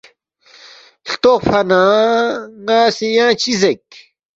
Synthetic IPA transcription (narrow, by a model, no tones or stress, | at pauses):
ɬt̪ofɐnã | ŋaːsijãːt͡ɕizek̚